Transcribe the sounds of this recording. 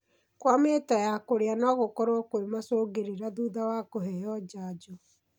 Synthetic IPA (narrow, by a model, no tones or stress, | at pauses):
kwametajakoɾeanɔɣokɔɾokoemasoːɡeɾiɾaðuðawakoɦɛjɔd͡ʒaːd͡ʒɔ